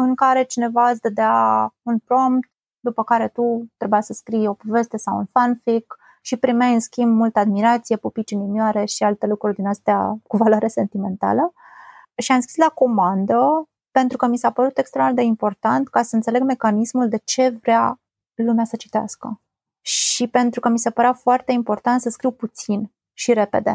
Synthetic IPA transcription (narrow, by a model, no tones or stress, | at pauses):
ɨŋkaɾe̞t͡ʃine̞vaɨsd̪əd̪eaunpɾo̞mpt̪ | d̪upəkaɾe̞t̪ut̪ɾe̞bujasəskɾijo̞po̞ve̞st̪e̞sawṵnfanfik | ʃipɾimajɨnskʲimbmult̪əad̪miɾat̪sije̞pupit͡ʃinimjaɾe̞ʃialt̪e̞lukɾurʲd̪inəst̪ea̰kuvalwaɾese̞nt̪ime̞nt̪a̰lə | ʃiamskʲi̥slako̞mand̪ə | pe̞nt̪ɾukəmisapəɾut̪e̞kst̪ɾed̪eimpo̞rt̪ant̪kasəɨnt̪se̞leɡme̞kanismuld̪e̞t͡ʃe̞vɾea | lumeasət͡ʃi̥t̪ea̰skə | ʃipe̞nt̪ɾukəmise̞pəɾeafoart̪e̞impo̞rt̪ant̪səskɾiwput̪sin | ʃiɾe̞pe̞d̪e̞̰